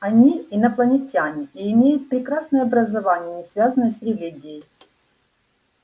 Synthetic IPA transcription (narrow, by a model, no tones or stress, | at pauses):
ɐnʲiːnɐplˠənʲɪtʲanʲɪiːmʲejʊt̪̚pɾʲɪkɾasnəjəɐbɾəzɐvanʲɪjənʲɪsvʲazənːəjəsɾʲɪlʲiɡʲɪjəjj